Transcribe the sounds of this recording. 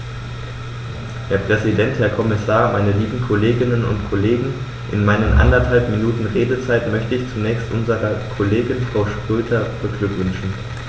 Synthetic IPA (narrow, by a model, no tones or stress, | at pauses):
hɛːɐpʁ̥ɛzidɛnthɛːɐkʰɔmɪsaːɐmaɪnəliːbm̩kʰɔleːɡɪnənʊ̰ntkʰɔleːɡŋ̩ | ʔɪ̰nmaɪnənʔa̰ndɐthalpminuːtn̩ʁeːdət͡saɪtmœçtəɪçt͡sunɛːçstʔʊnzəʁɐkʰoleːɡɪnfʁ̥aʊʃtʁ̥øːtʰɐb̥əɡlʏkv̥ʏnʃn̩